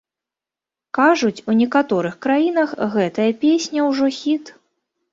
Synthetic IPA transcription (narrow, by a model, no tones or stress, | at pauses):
kaʐut͡sʲunʲɛkat̪ɔɾɨxkɾajinɐxɣɛt̪ɐjɐpʲesʲnʲɐwʐɔxʲit̪